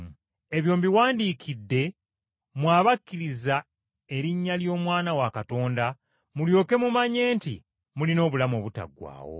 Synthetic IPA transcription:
e̞βjo̞ːmbiwaːndiːkʰidːe̞ | mwaːβakːiɾiza | e̞ɾiɲːaljo̞ːmwaːnawakato̞ːnda | muljo̞ːke̞mumaɲe̞ːntḭ | mulino̞ːβulamoːβuta̰ɡwa̰ːwo̞̰

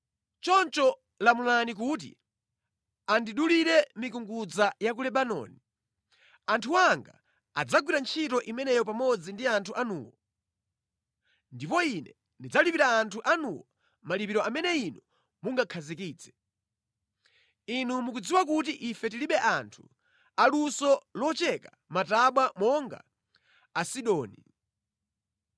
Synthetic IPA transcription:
t͡ʃɔnt͡ʃɔ | lamulanik̬ut̬ḭ | andiɗuliɾɛmikuŋɡud͡zajak̬ulɛɓanɔ̰ːni | antʰuwaŋɡa̰ | a̰d͡zaɡwiɾant͡ʃʰitɔʔimɛnɛjɔpamɔd͡zindiantʰuʔanṵːwɔ | ndipɔinɛ | ndid͡zalipiɾaːntʰuʔanuwɔ | malipiɾɔʔamɛnɛinɔ | muŋɡakʰazikiːt͡sɛ̥ | inumukud͡ziwakutiʔifɛtiliɓɛʔantʰu̥ | alusɔlɔt͡ʃɛka | mataɓwamɔŋɡa̰ː | siɗɔːni

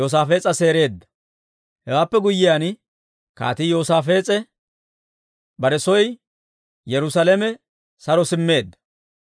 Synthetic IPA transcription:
joːs̬aːfe̞ːt͡sʼɐse̞ːɾe̞ːd̪ːɐ̥ | hɛwaːpːɛɡʊjːɪjan | ka̰ːt̪ɪjo̞ːsaːfe̞ːt͡sʼɛ | bɐɾɛsɔj | jɛɾʊsalɛmɛ | sɐɾɔsɪmːe̞ːd̪ːɐ̥

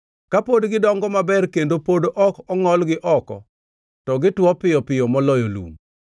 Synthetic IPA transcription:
kapodɡɪdɔŋɡɔmabɛrkendopodoʔɔkɔŋɔlɡɪʔɔkɔ̰ | tɔɡɪtwɔpɪjɔpɪjɔmɔlɔjolṵm

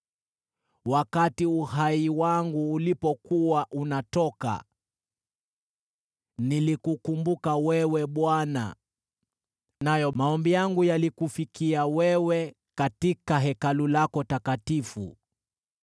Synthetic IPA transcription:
wakatiuhaiwaŋɡuːlipɔkuwaʔunatɔka̰ | nilikukumbukawɛwɛɓwana̰ | najɔmaɔmbijaŋɡujalikufikiawɛwɛ | katikaɦɛkalulakɔtakatifṵ

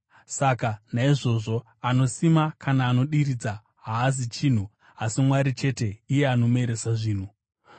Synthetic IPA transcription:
sakanaiʐo̞ʐo̞ | ano̞simakanaːno̞ɗiɾid͡za | ɦaːzit͡ʃiːn̤u | asimwaɾit͡ʃe̞te̞ije̞ano̞me̞ɾesaʐiːn̤u

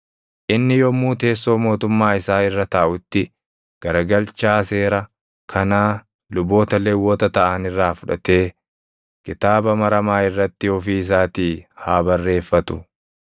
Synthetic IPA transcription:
ʔɪnːɪjɔmːuːt̪e̞ːsːo̞ːmo̞ːt̪ʊmːaːɪsaːɪrːɐt̪aːʔʊt̪ːɪ | ɡ̥ɐɾɐɡɐlt͡ʃaːse̞ːɾɐ | kʰɐnaː | lʊbo̞ːt̪ɐleːwːoːt̪ɐt̪ɐʔɐnɪrːaːfʊᶑɐ̰t̪e̞ː | kɪt̪aːbɐmɐɾɐmaːɪrːɐt̪ːɪhɔfiːɪs̬aːt̪iːhaːbɐrːe̞ːfːɐt̪ʊ

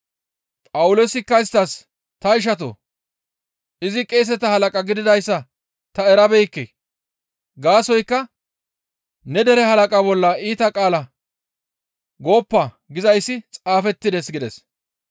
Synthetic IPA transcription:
pʼɐwʊloːsɪkːɐɪst̪ːɐs | t̪ɐɪʃ̬ɐt̪o̰ | ʔɪzɪkʼeːs̬ɛt̪ɐhɐlɐkʼɐɡɪd̪ɪd̪ɐjsːɐ | t̪ɐɛɾɐbɛjkːḛ | ɡaːsɔjkːɐ | nɛd̪ɛɾɛhɐlɐkʼabɔlːɐiːt̪ɐkʼaːlɐ | ɡo̞ːpːa | ɡɪzɐjsːɪt͡sʼaːfɛt̪ːɪd̪ɛsɡɪd̪ɛs

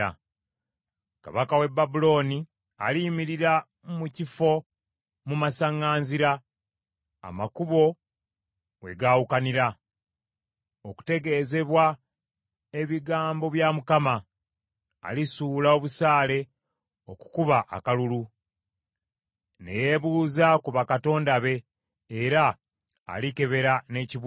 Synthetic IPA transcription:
a̰ | ka̰βakawe̞bːabulo̞ːni | alimiɾiɾa | mucifo̞ | mumasaŋaːnziɾa | a̰makuβo̞ | we̞ɡaːwukaniɾa | oku̥te̞ɡe̞ːze̞βwa | e̞βiɡaːmbo̞βjamukama̰ː | lisulao̞βusaːle̞ | o̞ku̥kuβaʔa̰kalulu | ne̞̰je̞βuːzakuβakato̞ːndaβe̞ː | ɾa̰ː | like̞βe̞ɾane̞ci

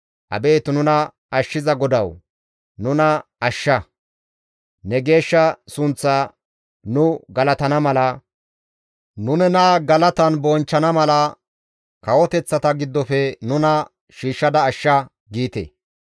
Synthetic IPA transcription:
ʔɐ̰be̞ːt̪nʊnɐ | ɐʃːɪzɐɡɔd̪ɐw | nʊnɐ | ɐʃːɐ | nɛɡe̞ːʃːɐsʊnt͡sːaː | nʊɡɐlɐt̪ɐnɐmɐlɐ | nʊnɛnaːɡɐlɐt̪ɐnbɔnt͡ʃːɐnɐmɐlɐ | kɐwɔt̪ɛt͡sːɐt̪ɐɡɪd̪ːɔfɛnʊnɐ | ʃiːʃːɐd̪ɐːʃːɐ | ɡiːt̪ḛ

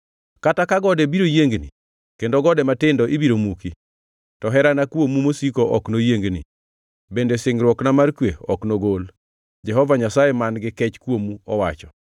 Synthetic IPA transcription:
katakaɡɔdɛbiɾojeŋɡnḭ | kendoɡɔdɛmatɪndɔʔibiɾomuki | tɔɦɛɾanakwomumosikoʔɔknojeŋɡnḭ | bendesɪŋɾwɔknamarkweɔknoɡol | d͡ʒɛɦɔvaɲasajemanɡɪkɛt͡ʃkwomuɔwat͡ʃɔ

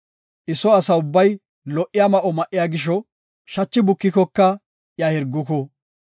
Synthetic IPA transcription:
ʔɪsɔɐsɐʊbːɐj | lɔʔɪjamɐʔɔmɐʔːɪjaːɡɪʃ̬ɔ | ʃɐt͡ʃːɪbʊkːɪkɔkːɐ | jɐhɪɾɡːʊkɔ

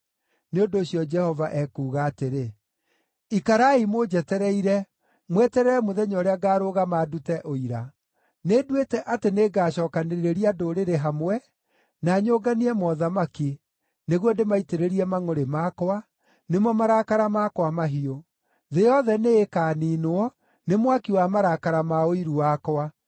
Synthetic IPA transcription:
neondoːɕijɔd͡ʒɛhɔvaʔɛkuːɣaːteɾe | ikaɾaimod͡ʑɛtɛɾɛiɾɛ | mwɛtɛɾɛɛmoðɛɲɔɾeaɡaːɾoɣamaːdutɛʔoiɾa | nedwetɛʔateneːɡaːɕɔːkaneɾeɾeɾiadoːɾeɾeɦamwɛ | naɲoːɡaniɛmɔðamaki | neɣondemaiteɾeɾiɛmaŋoɾemakwa | nemɔmaɾakaɾamakwamaɦio | ðejɔðɛneːkaːniːnoɔ | nemwakiwamaɾakaɾamaoiɾuakɔwa

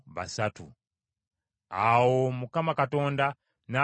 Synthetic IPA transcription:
βa̰satṵ | awo̞mukamakato̞ːnda | na

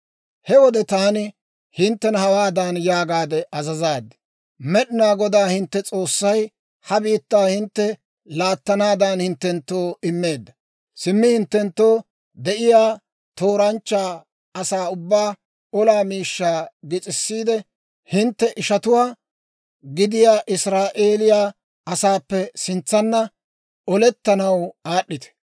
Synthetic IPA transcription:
hɛwɔd̪ɛt̪aːnɪ | hɪnt̪ːɛnɐhɐwaːd̪anjaːɡaːd̪ɛʔɐzɐzaːd̪ɛ̥ | mɛɗɪnaːɡɔd̪aːhɪnt̪ːɛt͡sʼo̞ːsːɐj | hɐbiːt̪ːaːhɪnt̪ːɛ | laːt̪ːɐnaːd̪ɐnhɪnt̪ːɛnt̪ːo̞ːɪmːe̞ːd̪ːɐ | sɪmːɪhɪnt̪ːɛnt̪ːo̞ː | d̪ɛʔɪjaː | t̪o̞ːɾɐnt͡ʃːaː | ɐsaːʊbːaː | ɔlaːmiːʃːaːɡɪt͡sʼɪsːiːd̪ɛ | hɪnt̪ːɛʔɪʃɐt̪ʊwaː | ɡɪd̪ɪjaːʔɪsɾaːʔeːlɪjaː | ɐsaːpːɛsɪnt͡sːɐnːɐ | ɔlɛt̪ːɐnɐwaːɗːɪt̪ɛ̥

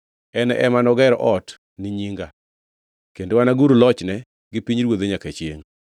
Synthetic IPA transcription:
ɛnɛʔɛmanɔɡɛɾɔʔɔt | nɪɲiŋɡa | kendowanaɡuɾulɔt͡ʃnɛ | ɡɪpiɲɾwod̪eɲaket͡ʃjḛŋ

